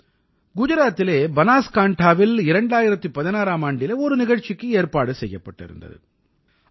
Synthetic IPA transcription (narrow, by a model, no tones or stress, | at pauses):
ɡʊd͡ʒɯɾaːt̪ːɪleːbɐnaːskaːɳʈʰaːʋɪlɪɾɐɳɖaːjɪɾɐt̪ːɯpɐðɪnaːɾaːmaːɳɖɪleːɔɾɯnɪɣɐɻt͡ʃːɪkːɯeːrpaːɽɯsɛjːɐpːɐʈːɪ̰ɾɯ̰nd̪ɐ̰ðɯ̰